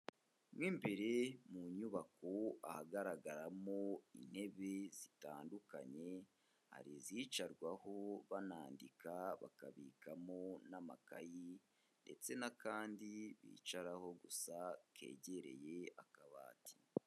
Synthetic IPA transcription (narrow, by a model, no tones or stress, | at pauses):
mwimbe̞ɾe̞muɲuβakoa̰haɡaɾaɡaɾamo̞ḭn̥he̞βe̞z̥itaːnduka̰ɲe̞ | ha̰ɾiziːt͡ʃaɾɡwaho̞βanaːndikaβa̰kaβiːkamo̞nama̰kaji | nde̞̰t͡se̞nakaːndiβḭːt͡ʃaɾaho̞ɡusakʰe̞̰ːɟe̞ɾe̞̰je̞akaβa̰ːti̥